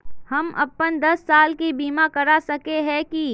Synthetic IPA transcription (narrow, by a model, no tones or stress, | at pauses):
hɐmʔɐ̰pːənd̪ɐsːaːlkibiːmakɐɾasɐkeɦɛ̃ki